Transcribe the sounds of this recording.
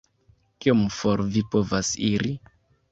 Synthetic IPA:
kiomfoɾvipo̞vasiɾi

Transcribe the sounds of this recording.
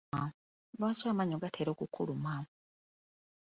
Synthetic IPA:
a | βaswaːmaɲoɡatʰeɾo̞ːkukʰːuluma

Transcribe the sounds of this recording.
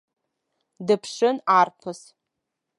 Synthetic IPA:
dɨpʰʂɨnarpʰɨs

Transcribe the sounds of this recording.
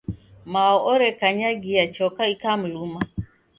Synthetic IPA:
maɔʔɔɾɛkaɲaɡijat͡ʃɔkaikam̩luma

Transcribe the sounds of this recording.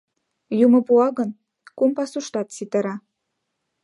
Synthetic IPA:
jumɤ̆puɑɣə̆n | kumpɑsuʃt̪ɑt̪sit̪ə̆ɾɑ

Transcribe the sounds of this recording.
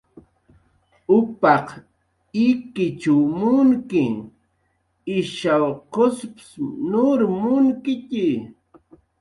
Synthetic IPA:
ʊpɑq | ɪkɪt͡ʃamʊŋkɪ | ɪʃawqospsnʊɾmʊŋkɪkɪ

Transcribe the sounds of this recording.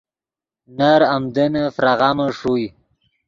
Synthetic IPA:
naɾamd̪ənəfɾaɣaməʂuj

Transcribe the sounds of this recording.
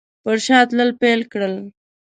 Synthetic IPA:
pəɾʃɑt̪ləlpelkɽəl

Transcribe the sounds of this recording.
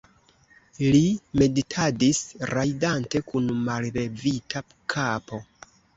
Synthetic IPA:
lime̞ditʰadisɾajdante̞kunmalbe̞vitʰa | kʰapo̞

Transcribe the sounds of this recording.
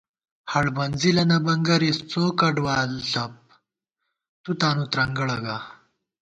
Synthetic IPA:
hɐɽbɐnd͡zilɐnɐbɐŋɡɐɾist͡soːkɐɖʋaːlɬɐp̚ | t̪ut̪aːnut̪ɾɐŋɡɐɭɐɡa

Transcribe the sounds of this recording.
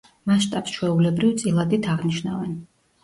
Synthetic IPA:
maʃt̪ʼapsʃʰwɛulɛbɾivt̪sʼilˠad̪it̪ʰaʁniʃnavɛn

